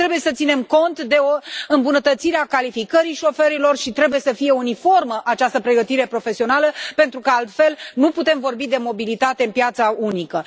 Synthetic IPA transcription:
ɾe̞buje̞sət̪sine̞mko̞nt̪d̪e̞oɨmbunət̪ət̪siɾeakalifikəɾiʃo̞feɾilo̞rʃit̪ɾe̞buje̞səfije̞unifo̞rməʔat͡ʃast̪əpɾe̞ɡət̪iɾe̞pɾo̞fe̞sio̞naləpe̞nt̪ɾukəalt̪fe̞lnuput̪e̞mvo̞rbid̪e̞mo̞bilit̪at̪e̞ɨnpijat̪saunikə

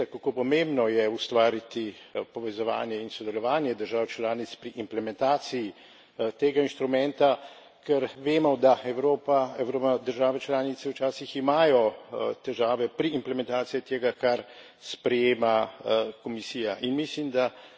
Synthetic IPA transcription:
kakoːpɔmembnɔjɛust̪ʋaːɾit̪ipɔʋɛzɔʋa̰ːnjɛinsɔd̪ɛlɔʋaːnjɛd̪əɾʒaːwt͡ʃlaːnit̪spɾiʔimplɛmɛnt̪aːt̪siji | t̪eːɡainʃt̪ɾumɛnt̪a | kɛɾʋeːmɔd̪aɛwɾoːpaɛwɾoad̪əɾʒaːʋɛt͡ʃlaːnit̪sɛwt͡ʃaːsiximaːjɔt̪ɛʒaːʋɛpɾiːmplɛmɛnt̪aːt̪sijit̪eːɡakaɾ | spɾɛjeːmakɔmisiːjaʔinmislimd̪a

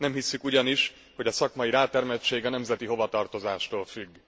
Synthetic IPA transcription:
nɛmhisːykuɟɒniʃ | ho̞ɟɒsɒkmɒjiɾaːt̪ɛrmɛt͡ʃːeːɡɒnɛmzɛt̪iɦo̞vɒt̪ɒrt̪o̞zaːʃt̪oːlfyɡː

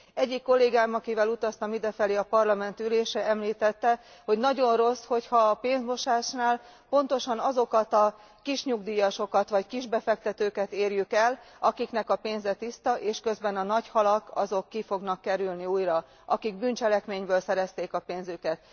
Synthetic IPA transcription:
ɛɟːikːo̞lːeːɡaːmɒkivɛlut̪ɒst̪ɒmid̪ɛfɛleːɒpɒrlɒmɛnt̪yleːʃɛɛmliːt̪ɛt̪ːɛho̞ɟnɒɟo̞nro̞sho̞chɒːpeːnzmo̞ʃaːʃnaːl | po̞nt̪o̞ʃɒnɒzo̞kɒt̪ɒ | kiʃɲuɡd̪iːjɒʃo̞kɒt̪ʋɒckiʒbɛfɛk̚t̪ɛt̪øːkɛt̪eːrjykɛl | ɒkiknɛkɒpeːnzɛt̪ist̪ɒʔeːʃkø̞zbɛnɒnɒchɒlɒkɒ̰zo̞kːifo̞ɡnɒkːɛɾylniuːjrɒ | ʔɒkiɡbyːnt͡ʃɛlɛkmeːɲbøːlsɛɾɛst̪eːkɒpeːnzykɛt̪̚

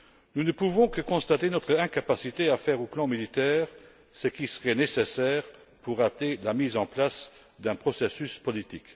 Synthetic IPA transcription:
nunəpuvɔ̃kəkɔ̃st̪at̪enɔt̪χəɛ̃kapasit̪eafɛːʁoplɑ̃milit̪ɛːʁ | səkisəʁɛnesesɛːʁ | puʁat̪elamiːzɑ̃plas | d̪ɛ̃pχɔsesyspɔlit̪ik

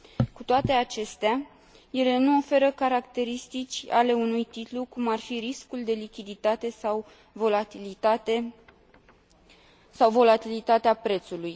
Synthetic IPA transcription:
kut̪oat̪e̞at͡ʃe̞st̪ea | je̞le̞nuo̞fe̞ɾəkaɾakt̪e̞ɾist̪it͡ʃʲa̰le̞unujt̪it̪lukumarfiɾiskuld̪e̞likʲid̪it̪at̪e̞saw | volait̪e | sawvo̞lat̪ilit̪at̪eapɾe̞t̪suluj

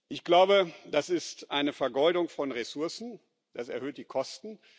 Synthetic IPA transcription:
ʔɪçɡ̥laʊbəd̥asɪstʔaɪnəfɛɐɡɔldʊŋfɔnʁesʊɐsn̩ | d̥asɛɐhøːt̚d̥iːkʰɔstn̩

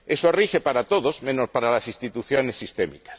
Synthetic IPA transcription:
e̞sorixe̞paɾat̪oðozmẽ̞nospaɾalasist̪it̪uθjo̞ne̞sːist̪e̞mḭkḁs

